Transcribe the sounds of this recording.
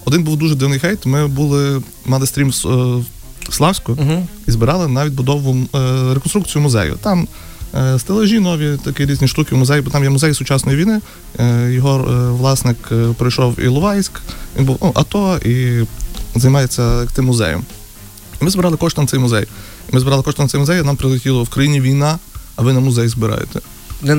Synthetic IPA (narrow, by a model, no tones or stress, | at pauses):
ɔd̪ɪnbuwd̪uʒɛd̪iwnɪjxɛjt̪mɪbulˠɪ | mɑlˠɪst̪ɾʲims | slˠɑwsʲkʊɦizbɪɾɑlˠɪnɑʋʲit̚ʲbʊd̪ɔʋʊɾekɔnst̪ɾukt͡sʲijʊmʊzɛ̰jʊ̰t̪ɑm | st̪elˠɛʒʲinɔʋʲit̪ɐkiɾʲizʲnʲiʃt̪ukʲɪwmʊzɛjbɔt̪ɑmjɛmʊzɛjsʊt͡ʃɑsnɔjiʋʲijnɪ | jɔɦɔʋlˠɑsnɪkpɾɪjʃɔwḭlˠʊʋɑjsʲkʋʲinbuwnuʔɐ̰t̪ɔi | zɐjmɑjet͡sʲːɐt̪ɪmːʊzɛ̰jɐ̰m | imɪzbeɾɑlˠɪkɔʃt̪ɔnt̪sɛjmʊzɛ̰j | imɪzbɪɾɑlˠɪkɔʃt̪ɔnt̪sɛjmʊzɛjɐnɑmpɾɪlˠɪtʲilˠɔwkɾɐjinʲiʋʲijnɑɐʋɪnɐmʊzɛjzbɪɾɑ̰jḛt̪ɛ